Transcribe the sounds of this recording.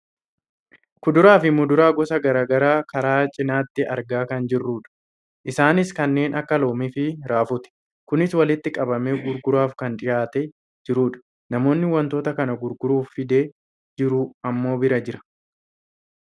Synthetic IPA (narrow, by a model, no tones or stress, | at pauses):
kʊd̪ʊɾaːfɪmʊd̪ʊɾaːɡɔsɐɡɐɾaːɡɐɾaːkɐɾaːt͡ʃʼɪnaːt̪ːɪʔɐɾɡaːkɐnd͡ʒɪrːuːᶑɐ̥ | ʔɪsaːnɪskɐnːe̞ːnʔɐkːɐlo̞ːmɪfɪɾaːfʊt̪ɛ̥ | kʊnɪswɐlɪt̪ːɪkʼɐbɐmɛɡʊɾɡʊɾaːfkɐnᶑ̪ɪjaːt̪ɛ | d͡ʒɪɾuːᶑɐ̥ | nɐmo̞ːnːɪwɐnt̪o̞ːt̪ɐkɐnɐɡʊɾɡʊɾuːfːɪd̪eː | d͡ʒɪɾuɐmːo̞ːbɪɾɐd͡ʒɪɾɐ̥